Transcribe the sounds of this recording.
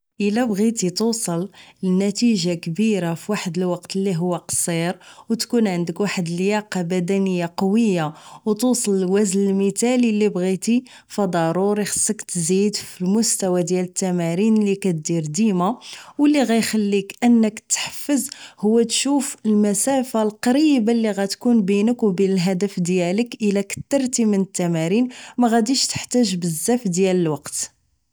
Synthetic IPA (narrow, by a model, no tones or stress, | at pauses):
ʔəlæbɣit̪it̪usˤəlnæt̪iʒakbiɾafiwaħəd̪əlwɑqt̪əlːiɦʊwːaqsˤiɾwt̪kunʕənd̪əkwaħəd̪əljɑqɑbæd̪ænəjːaqɑwəjːawt̪usˤəlwæznəlmət̪ælilːibɣit̪i | fɑd̪ˤɑɾˤuɾixə̥sˤːəkt̪zid̪filmʊst̪æwæd̪jælət̪ːæmæɾinlikæt̪̚d̪iɾd̪imawəlːiɣæjxælːikʔənːəkt̪ħə̥fːəzhʊwːæt̪ʃufəlmæsæfalqɑɾibalːiɣæt̪kunbinəkwbinəlɦæd̪əfd̪jæləkʔəlækə̥t̪ːɑɾˤt̪imənət̪ːæmæɾinmæɣæd̪iʃt̪ə̥ħt̪æʒbəzːæfd̪jæləlwɑqt̪